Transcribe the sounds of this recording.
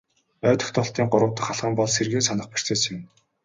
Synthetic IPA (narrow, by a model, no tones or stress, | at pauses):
œːt̪ɞ̥̆xt̪ʰɔɬt̪iːŋɢʊɾʊ̆wt̪ə̆χaɮχə̆mpɔɮserɣeːsanə̆χpir̥t͡seːsɪ̆n